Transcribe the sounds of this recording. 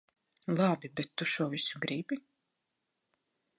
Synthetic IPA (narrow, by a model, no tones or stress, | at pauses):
lˠɑbibɛt̪ːuʃuɔvisuɡɾibi